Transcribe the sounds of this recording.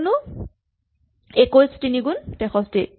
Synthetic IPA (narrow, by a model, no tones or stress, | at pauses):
nʊ | ekojstiniɡuntɛxɔsti